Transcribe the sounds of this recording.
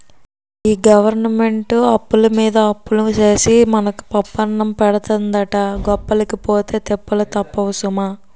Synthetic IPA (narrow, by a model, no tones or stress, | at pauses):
iːɡɐʋɐɾnɐme̞ɳʈuɐpːulɐmiːd̪ɐɐpːulɐt͡ʃeːsimɐnɐku̥pɐpːɐɳːɐmpɛɽɐt̪ɐnd̪ɐʈɐɡɔpːɐlɐkipoːt̪e̞ːt̪ɛpːɐlɐt̪ɐpːɐʋusumaː